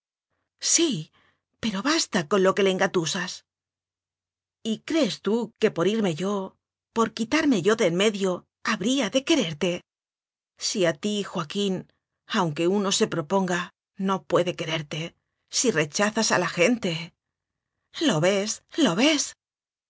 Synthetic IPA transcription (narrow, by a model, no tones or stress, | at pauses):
si | pe̞ɾo̞βast̪ako̞nlo̞ke̞leŋɡat̪usas | ikɾe̞ːst̪uke̞po̞ɾiɾme̞ʝo̞ | po̞ɾkit̪aɾme̞ʝo̞ðe̞lme̞ðjo̞ | aβɾiaðe̞ke̞ɾe̞ɾt̪e̞ | siat̪ixwakin | awŋke̞uno̞se̞pɾo̞po̞ŋɡa | no̞pwe̞ðe̞ke̞ɾe̞ɾt̪e̞ | sire̞t͡ʃaθasa̰laxe̞nt̪e̞ | lo̞βe̞slo̞βe̞s